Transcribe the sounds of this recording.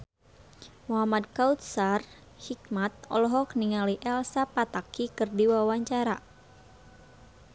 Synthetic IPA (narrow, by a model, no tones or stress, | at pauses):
muɦamad̪̚kaut̪̚sar | hik̚mat̪̚ɔlɔɦɔk̚niŋaliʔɛlsapat̪akikɨrdiwawaɲt͡ʃaɾa